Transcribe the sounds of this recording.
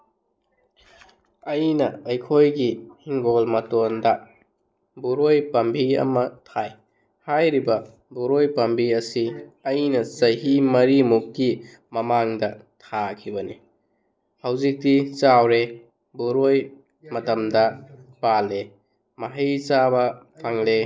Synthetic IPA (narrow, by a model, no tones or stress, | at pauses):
ɐjnɐɐjkʰojɡihiŋɡolmɐtondɐ | buɾojpɐmbʱiɐ̰mɐtʰaj | hajɾibɐ | buɾojpɐmbʱiɐsiɐjnɐsɐɦimɐɾimukːi | mɐmaŋdɐtʰakʰibɐni | hɐwzik̚dit͡ʃawɾe | buɾoj | mɐtɐmdɐpale | maɦijt͡ʃabɐ | pʰaŋle